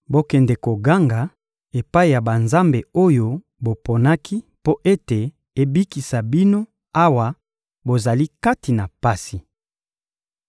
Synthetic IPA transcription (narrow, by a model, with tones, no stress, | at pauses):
bo˦kɛ˨nde˨ko˨ɡa˦ŋɡa˨ | e˨pa˦i˨ja˨ba˨nza˦mbe˨o˦jo˦ | bo˨po˨na˦kʰi˦po˦ʔe˦te˨ | e˨bi˦ki˨sa˨bi˦no˦ | a˦wa˨ | bo˨za˨li˦ka˦ti˨na˨pa˦si˨